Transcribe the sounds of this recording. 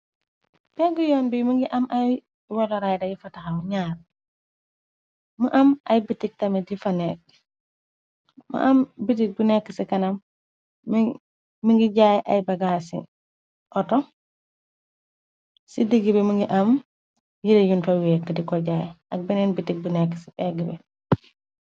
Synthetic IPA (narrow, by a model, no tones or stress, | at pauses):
b̥ɛɡujɔːnbimuŋɡiʔɐmʔɐj | wɐlɐɾajdɐjifɐtɐxɐwɲaːɾ | mṵʔɐmʔɐjbitik̚tɐmidifɐnɛk̚ | mṵʔɐmbit̬ik̚bunɛkːəsikɐnɐm | iŋɡiɟajʔɐjbɐɡasḭ | ʔɔtɔ | sidiɡibɛmuŋɡiʔɐm | jidejunfɐwɛk̚tɐdikɔɟaːjɐk̚bɛnɛnbitik̚bunɛkːə̥sibɛɡibɛ